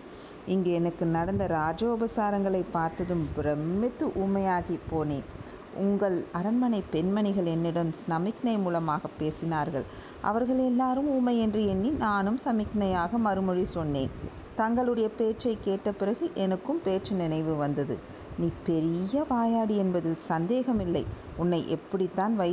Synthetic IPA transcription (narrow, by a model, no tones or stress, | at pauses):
ɪŋɡeːɛnɐkːɯnɐɽɐnd̪ɐɾaːd͡ʒoːbɐsaːɾɐŋɡɐɭɐɪpːaːɾt̪ɐðɯmpɪɾɐmːɪt̪ːɯʔuːmɐjaːɣipːoːneː | ʔʊŋɡɐɭɐɾɐnmɐnɐɪpɛnmɐnɪɣɐɭɛnːɪɽɐmsɐmɪknɐɪmuːlɐmaːɣɐpːeːsɪnaːɾɣɐ̰ɭ | ʔɐ̰ʋɐɾɣɐɭɛlːaːɾɯmuːmɐɪɛndrɯɛnːinaːnɯmsɐmɪknɐjaːɣɐmɐɾɯmɔɻisɔnːeːn | t̪ɐŋɡɐɭɯɽɐjɐpeːʈt͡ʃɐɪkːeːʈːɐpɪɾɐɣɯʔɛnɐkːɯmpeːʈt͡ʃɯnɪnɐɪʋɯʋɐnd̪ɐðɯ̰ | niːpɛɾɪjɐʋaːjaːɽiɛnbɐðɪlsɐnd̪eːɣɐmɪlːɐɪʊnːɐɪʔɛpːɐɽɪt̪ːaːnʋɐɪ